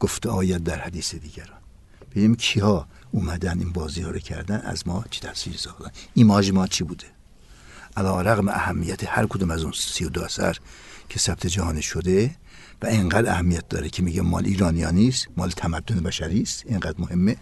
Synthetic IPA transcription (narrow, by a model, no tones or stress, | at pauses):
ɡ̥oft̪eɒːjæd̪̚ːæɾhæd̪iːsed̪iːɟæɾɒːn | b̥enimkʰihɒː | umæd̪æniːnbɒːziːhɒːɾocʰæ̰ɾd̪ænæ̰zmɒːt͡ʃʰi̥t̪ʰæsiːɾisɒːxd̪æninmɒːʒimɒːlt͡ʃʰibuːd̪e | ʔælɒːɾæɣmeʔæhæmːijæt̪ʰehæɾkʰod̪umæzunsijod̪oæsæ̰ɾcʰesæb̚t̪ʰed͡ʒæhɒːniʃod̪e | væeŋɡæːd̪æhæmːijæt̪̚d̪ɒːɾecʰemiːɟæmɒ̰ːlʔiːɾɒːnijɒːniːst̪mɒ̰ːlet̪ʰæmæd̪ːonebæʃæɾiːst̪eŋɡæd̪mohemːe